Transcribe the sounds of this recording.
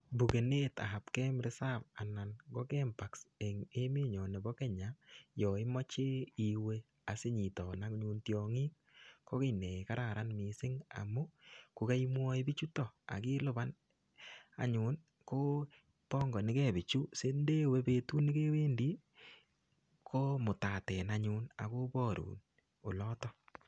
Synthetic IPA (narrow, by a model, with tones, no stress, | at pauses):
bu˨ke˨ne˦ta̰˨ha˨pkɛ˦mɾɪ˦sa˦p̚a˨na˨nɡɔ˦kɛ˦mpa˨kse˨ŋe˦mɪ˦ɲɔ˨nɛ˨bɔ˦kɛ˦ɲa˨˦jɔ˨ɪ˦mɔ˦t͡ʃe˦i˨we˦ | a˨sɪ˦ɲi˨tɔ˨na˦kɲu˧ntjɔ˨ŋi˦k | ko˦kɪ˨nɛ˨ka˦ɾa˨ɾa˦nmi˨sɪ˦ŋa̰˨mʊ˦ku˨ka˦i˦mwɔ˦i˦bi˦t͡ʃu˦tɔ˨a̰˨ki˦lʊ˦˨ba˦n | a̰˨ɲʊ˨˦n | ko˦ | pɔ˦ŋɡɔ˨nɪ˦kɛ˦˨bɪ˨t͡ʃu˦se˦nde˦we˦pe˦tu˦nɪ˦ke˦we˦ndi˦ | kʰo˦mʊ˨ta˨tɛ˨na˨ɲu˦na̰˨ko˦bɔ˦˨ɾṵː˨n | o˨lɔ˦tɔ˦